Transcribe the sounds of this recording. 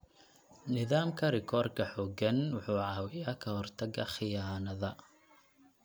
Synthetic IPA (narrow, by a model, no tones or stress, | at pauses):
nɪðaːmkʰɐrɪkʰɔːrkʰɐħɔːɡɐnwʊħuːʕɑːwɪjaːkʰɐhɔrt̪ʰɐɡɐχɪjaːnɐðɐ